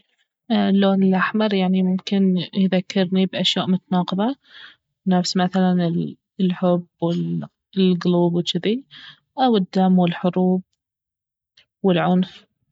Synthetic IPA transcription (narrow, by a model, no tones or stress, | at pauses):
lːoːnɪlʔaħmɑɾˤjaʕnimʊmkɪnjðakːɑɾnibʔaʃjaːʔmʊt̪anɑːqɨðˤɑ | bnafsmaθalanɪl | lħʊbwɪl | lɡluːbwɪt͡ʃɪði | ʔawɪd̪ːamwɪlħʊɾuːb̚ | wɪlʕʊnf